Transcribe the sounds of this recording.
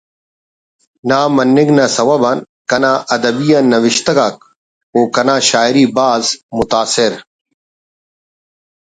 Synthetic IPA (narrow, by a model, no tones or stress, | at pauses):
naːmɐnːɪɡnɐsɐwɐbɐn | kɐnaːʔɐd̪ɐbijɐnːɐʋɪʃt̪ɐɡaːk̚ | oːkɐnãːɕaːjɾiːbaːzmʊt̪aːsɪɾ